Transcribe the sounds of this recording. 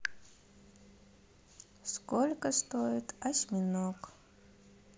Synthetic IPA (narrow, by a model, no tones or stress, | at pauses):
skolʲkəst̪ojɪt̪ɐsʲmʲɪnok